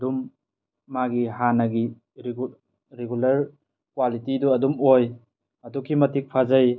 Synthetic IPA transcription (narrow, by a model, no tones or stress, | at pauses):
dumː | aɡihanɐɡi | ɾ | ɾeɡulɐɾ | kwalitiduɐdumoj | ɐdukʰːimɐtik̚pʰazɐj